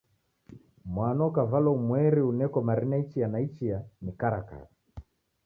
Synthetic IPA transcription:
mwanɔkavalɔmwɛɾiunɛkɔmaɾinait͡ʃijanait͡ʃijanikaɾaka̰ɾa

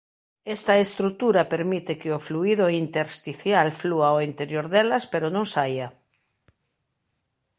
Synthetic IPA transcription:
est̪aest̪ɾut̪uɾapeɾmit̪ɪkɪofluiðoint̪eɾst̪iθjalfluaoint̪eɾjoɾðelɐspeɾonõŋsaja

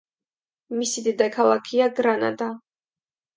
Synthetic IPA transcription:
misid̪id̪akʰalˠakʰiaɡɾana̰d̪a

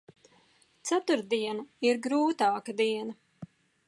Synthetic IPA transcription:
t̪sat̪uɾd̪iɛnɐiɾɡɾuːt̪aːkɐd̪iɛnɐ

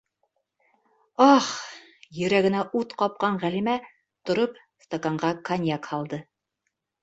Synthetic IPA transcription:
ɑχ | jɵ̆ɾæɡɘ̆næʔut̪qɑp̚qɑɴʁælimæ | t̪ŏɾop | st̪okaɴɢɑkɐnʲjakhɑlˠd̪ɤ

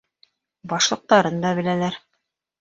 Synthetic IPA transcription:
bɑʃlˠɤ̆q̚t̪ɑɾɤnd̪ɑβɘ̆lælæɾ

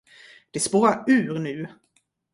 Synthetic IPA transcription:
d̪̥ɛspoːɾaɾʉ̟ːɾnʉ̟ː

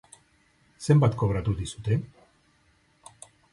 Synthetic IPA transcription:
se̞mbat̪ko̞βɾat̪uðisu̥t̪e̞

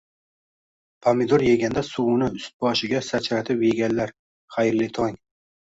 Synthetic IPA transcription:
pʰamɪd̪oɾjeɡʲand̪asuwʊnɪʊst̪̚bɒʃɪɡʲasat͡ʃʰɾat̪ʰɪpjeɡʲanlaɾ | χajɾlɪt̪ʰɒŋ

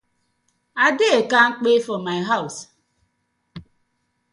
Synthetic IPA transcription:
adɪekaŋ̩k͡pefɔmaɪɦaʊs

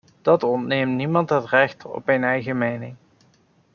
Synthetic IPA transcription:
d̥ɑtɔntnemtnimɑntɦətrɛχtɔ̰pmejnɛjχəmejnɪŋ

